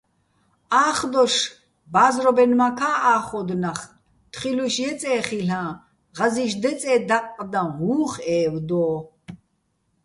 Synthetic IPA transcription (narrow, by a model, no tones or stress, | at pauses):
aːχd̪ɔʃ | baːzrɔbɛnmakʰaːaːχɔd̪naχ | t̪ʰχiluʃjɛt͡sʼɛːχiɬãː | ʁaziʃd̪ɛt͡sʼɛːd̪aqʼːd̪ãɦuːχɛːvd̪ɔː